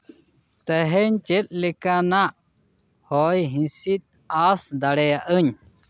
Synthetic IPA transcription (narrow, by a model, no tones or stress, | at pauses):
t̪ɛɦɛɲt͡ʃɛt̪̚ˀlɛkanaʔ | hɔjɦĩsit̪̚ | asd̪aɽɛjaʔəɲ